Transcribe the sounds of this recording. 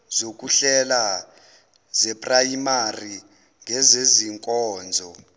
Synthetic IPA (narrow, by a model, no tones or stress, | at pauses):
zok̬ʼuɬɛla | zɛpʼrajimari | ŋɡɛzeziŋkʼɔːnd͡zʱɔ